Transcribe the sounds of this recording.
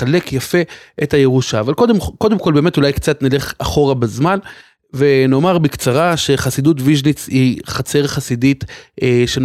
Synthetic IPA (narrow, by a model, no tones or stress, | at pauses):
ale̞kjafe̞etaje̞ʁuʃaːvalko̞d̪emko̞d̪e̞mko̞lbeːme̞tulajkt͡satnile̞χaχo̞ʁabezman | ve̞no̞maʁbikt͡saʁaʃe̞χasid̪utviʒnit͡shiχat͡se̞ʁχasiditeʃen